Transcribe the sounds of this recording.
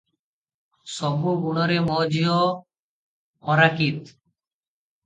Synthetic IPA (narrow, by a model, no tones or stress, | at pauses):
sɔbuɡuɽ̃ɔɾemɔd͡ʒijɔ | ɔɾakit̪